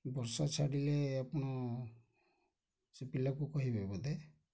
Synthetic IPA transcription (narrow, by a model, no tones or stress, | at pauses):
bɔɾsɔt͡ʃʰaɽileapɔɽ̃ɔ | sipilakukɔɦibabɔd̪e